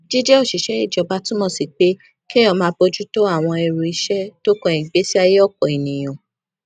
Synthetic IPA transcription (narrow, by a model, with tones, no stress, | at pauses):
d͡ʒi˦d͡ʒɛ˦o˦˨ʃi˨ʃɛ˨˦i˦˨d͡ʒɔ˨˦ba˧˦tũ˦mɔ̃˦˨si˨k͡pe˦ | kɛ˦ɔ̃˧mã˦bo˧d͡ʒu˦to˦a˦˨w̃ɔ̃˧ɛ˧ɾu˨i˧˦ʃɛ˦to˦kɔ̃˦ĩ˨ɡ͡be˨˦si˦a˧je˦ɔ˦˨kɔ˨e˨nĩ˨j̃ɔ̃˨